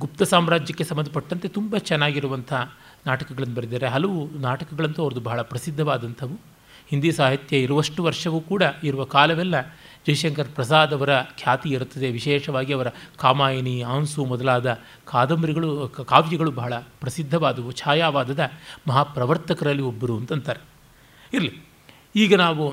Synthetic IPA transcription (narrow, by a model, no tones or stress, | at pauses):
ɡup̚t̪ɐsaːmɾaːd͡ʒjɐkːesɐmːɐnd̪ɐpɐʈːɐnt̪e̞t̪umbɐt͡ʃɛnːaːɡiɾuʋɐnt̪ʰɐa | naːʈɐkɐɡɐɭɐnːubɐɾid̪ːaːɾeɦɐlɐʋunaːʈɐkɐɡɐɭɐnt̪uɐʋɐɾɐd̪ubɐɦɐɭɐpɾɐsid̪ʱːɐʋaːd̪ɐnt̪ʰɐʋu | hind̪isaːɦit̪jɐiɾuʋɐʂʈuʋɐɾʂɐʋukuːɽɐiɾuʋɐkaːlɐʋɛlːɐ | d͡ʒɐjʂɐŋkɐɾpɾɐs̬aːd̪ɐʋɐɾɐkʰjaːt̪iiɾut̪ːɐd̪eʋiʃɛːʂɐʋaːɡiɐʋɐɾɐkaːmaːjɐniaːnsumɔd̪ɐlaːd̪ɐ | kʰaːd̪ɐmbɐɾiɡɐɭukaːʋjɐɡɐɭubɐɦɐɭɐpɾɐsid̪ʱːɐʋaːd̪ɐʋut͡ʃʰaːjaːʋaːd̪ɐd̪ɐmɐɦapɾɐʋɐɾt̪ɐkɐɾɐlːiobːɐɾuɐnt̪ɐnt̪ʰɐːɾe | iɾɐli | iːɡɐnaːʋu